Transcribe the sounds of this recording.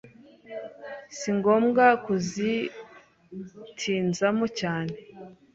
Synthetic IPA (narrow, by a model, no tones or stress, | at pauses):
siŋɡo̞ːmɡakuzi | tʰiːnzamocaːne̞